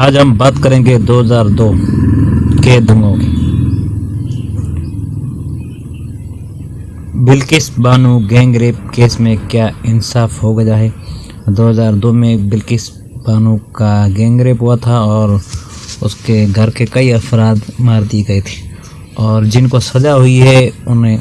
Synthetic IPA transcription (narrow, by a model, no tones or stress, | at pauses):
aːd͡ʒɦɐmbaːt̪kɐɾẽːɡed̪oːɦəzaːɾd̪oː | ked̪ʊ̃ŋɡõke | bɪlkɪsbaːnuɡɛ̃ːŋɡɾeːp̚keːsmẽkjaːɪnsaːfɦoɡɐd͡ʒaːɦeː | d̪oːɦəzaːɾd̪oːmẽbɪlkɪs | baːnũkaɡɛ̃ːŋɡɾeːpɦuat̪ʰaɔːɾ | ʊskeɡʱɐɾkekɐiɐfɾaːd̪maːɾd̪iɡɐit̪ʰi̥ | ɔːɾd͡ʒɪnkosɐd͡ʒaɦʊiɦɛʊnɦẽ